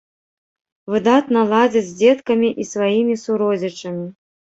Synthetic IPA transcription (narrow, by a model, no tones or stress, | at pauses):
vɨd̪at̪nɐlˠad͡zʲɐd͡zʲd͡zʲɛt̪kɐmʲiʔisvajimʲisuɾɔzʲɐt͡ʂɐmʲi